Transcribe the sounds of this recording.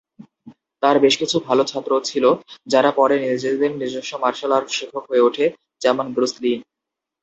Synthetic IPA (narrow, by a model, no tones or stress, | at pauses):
t̪aɾbeʃkit͡ɕʰubʱalot͡ɕʰat̪ːɾot͡ɕʰilod͡ʑaɾapɔɾenid͡ʑed̪enniɾd͡ʑeʃːomaɾʃalaɾʃikʰːokɦoeuʈʰe | d͡ʑɛmonɡɾuslin